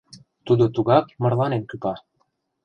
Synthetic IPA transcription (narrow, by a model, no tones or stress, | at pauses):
t̪ud̪ot̪uɣɑkmɤ̆rlˠɑnenkypɑ